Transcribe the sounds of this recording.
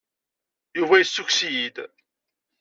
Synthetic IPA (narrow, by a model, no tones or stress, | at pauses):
juvæjəsːuksijid̪